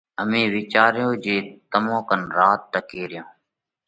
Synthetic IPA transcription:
əmĩːʋɪt͡ʃaːɾɪjõːd͡ʒeːt̪əmõːkənɾaːt̪̚ʈəkeːɾɪjõː

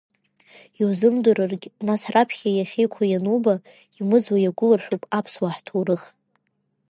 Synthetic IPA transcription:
iwzɨmduɾɨrɡʲnasrapʰχʲajaχʲejkʷʰajanuba | imɨd͡zwajaɡʷʊlarħʷᶣupʼapʰswaħtʰowɾɨχ

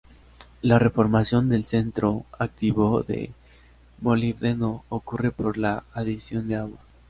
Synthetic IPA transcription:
lare̞fo̞ɾmasjo̞nd̪e̞lse̞nt̪ɾo̞ak̚t̪iβoðe̞̰ | moliβðenoːkure̞po̞ɾlaːðisjo̞nd̪eaɣwa

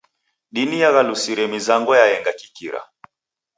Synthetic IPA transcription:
ɗinijaɣalusiɾɛmizaŋɡɔjaɛŋɡaki̥kiɾa̰

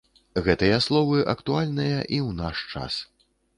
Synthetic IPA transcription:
ɣɛt̪ɨjɐslˠɔvɨʔɐkt̪ualʲnɨjɐʔiwnaʂt͡ʂa̰s

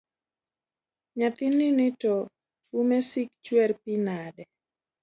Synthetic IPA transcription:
ɲat̪ɪnːɪnɪto | umesik̚t͡ʃwɛrpinadɛ

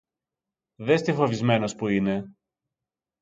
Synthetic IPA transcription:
ðest̪ifo̞vizme̞no̞spuine̞

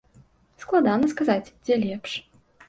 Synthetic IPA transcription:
sklˠad̪anɐskazat͡sʲd͡zʲɛlʲɛpʂ

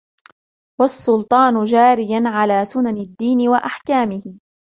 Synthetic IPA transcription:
wasːʊlt̪ˤɑːnʊd͡ʒaːɾɪjanʕalaːsʊnanɪd̪ːiːnɪwaʔaħkaːmɪhɪ

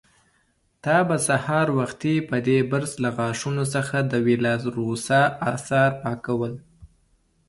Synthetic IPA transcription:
t̪ɑbasahɑɾwaxt̪ipəd̪ebəɾzlaɣɑʂunosəxad̪əwilɑzɾosɑɑsɑɾpɑkawəl

